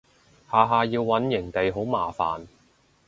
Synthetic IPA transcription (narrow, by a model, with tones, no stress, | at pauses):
haː˨˧ɦaː˧jiː˧wːɐ˨˥njɪ˨˩ŋt̪e˨jɦo˨˥wmaː˨fa̰ː˨n